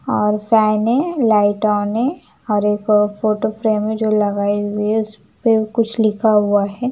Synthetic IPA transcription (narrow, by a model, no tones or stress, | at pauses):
ɔːɾfɛːnẽlaːɪʈɔːnẽ | ɔːɾeːkfoːʈofɾeːmẽd͡ʒoːlɐɡaːeuiʊs | pekʊt͡ʃʰlɪkʰaɦʊaɦɛː